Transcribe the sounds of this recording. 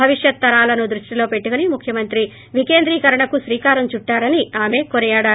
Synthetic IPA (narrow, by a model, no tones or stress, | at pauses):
ɐʋiʂjɐt̪ːɐɾaːlɐnud̪ɾuʂʈilo̞ːpe̞ʈːukɐnimukʰjɐmɐnt̪ɾi | ʋike̞ːnd̪ɾiːkɐɾɐɳɐkusɾiːkaːɾɐmt͡ʃuʈːaːɾɐniaːme̞ːkonijaːɽaː